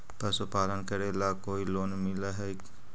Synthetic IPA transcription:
pəsupaːlənkəɾeːlakoːiloːnmɪlaɦɛ

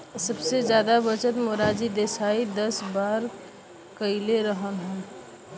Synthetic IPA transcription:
səbsed͡ʒjaːd̪abət͡ʃət̪moɾaːd͡ʒid̪eːsaːid̪əsbaːɾ | kəɪleɾəɦənɦɛ̃

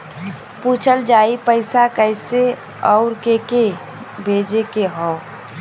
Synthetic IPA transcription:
puːt͡ʃʰəld͡ʒaːipəɪsakəɪse | ɔʊɾkeke | bʱeːd͡ʒekeɦɔʊ

